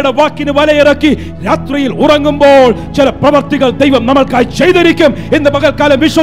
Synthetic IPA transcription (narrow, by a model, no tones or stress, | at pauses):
ɽeʋaːkːinɨʋɐlɐjirɐkːi | ɾaːt̪rɐjilurɐŋːumboːɭt͡ɕilɐprɐʋɐrt̪iɣɐɭd̪ejʋɐmnɐmɐɭkaːjt͡ɕejðiɾikʲːumend̪ɐbɐɣɐlkaːlɐmʋiʂwɐ